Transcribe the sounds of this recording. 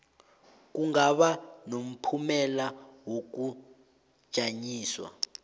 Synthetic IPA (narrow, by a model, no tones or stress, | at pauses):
k̬ʼuŋɡaɓanom̩pʰumɛlawok̬u̥ | ʒ̥ʱaɲiːswa̰